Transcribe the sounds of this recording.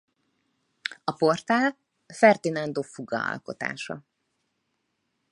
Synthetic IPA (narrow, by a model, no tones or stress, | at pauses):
ɒpo̞rt̪aːl | fɛrd̪inɒnd̪oːfuɡɒ̰ɒ̰lko̞t̪a̰ːʃɒ̰